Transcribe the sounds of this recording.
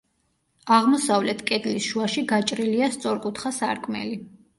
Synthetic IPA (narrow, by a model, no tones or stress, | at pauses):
aʁmɔsavlɛt̪ʰkʼɛd̪lisʃuaʃiɡat͡ʃʼɾiliast̪sʼɔɾqʼut̪ʰχasa̰ɾkʼmɛ̰li